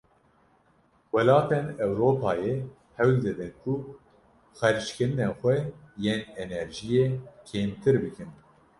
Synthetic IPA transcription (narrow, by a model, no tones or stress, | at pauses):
wɛlɑːt̪enɛwɾoːpʰɑːje | hɛwld̪ɨd̪ɨnkʰu | xɛɾt͡ʃkɨɾɨnɛxʷɛjeːnɛnɛɾʒijeːkʰeːmt̪ʰɨɾbɨkɨn